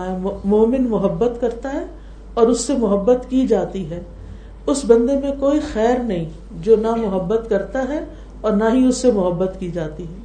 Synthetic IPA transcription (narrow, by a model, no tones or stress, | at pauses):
moːmɪnmʊɦəbːət̪kɐɾt̪aɦɛ | ɔːɾʊsːemʊɦəbːət̪kid͡ʒaːt̪iɦɛː | ʊsbɐ̃nd̪emẽkoːixɛːɾnɐɦĩ | d͡ʒoːnamʊɦəbːət̪kɐɾt̪aɦɛ | ɔːɾnaɦĩʊsːemʊɦəbːət̪kid͡ʒaːt̪iɦɛː